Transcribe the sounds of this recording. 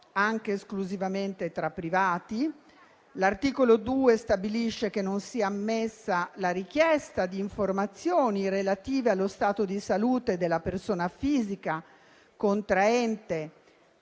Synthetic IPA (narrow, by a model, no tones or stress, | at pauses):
aŋk̟eːskluzivament̪et̪ɾapːɾivaːt̪i | lart̪iːkolod̪uːest̪abiliʃːekenːonsiːaːmːesːalaɾik̟jɛst̪ad̪iːɱformat̪sːjoːnirelat̪iːvealːost̪aːt̪od̪isaluːt̪ed̪elːapersoːnafiːzika | kont̪ɾaɛnt̪e